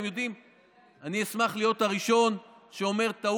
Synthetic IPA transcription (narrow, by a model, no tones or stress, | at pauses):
emjo̞dim | aniesmaχlijo̞t̪aʁiʃo̞n | ʃeo̞me̞ʁt̪a